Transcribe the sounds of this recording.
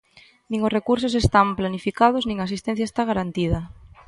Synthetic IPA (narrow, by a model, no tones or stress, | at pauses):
nĩŋosrekuɾsos̬est̪amplanifikað̞oznĩŋas̬ist̪ẽn̟θjaest̪aɣaɾant̪ið̞ɐ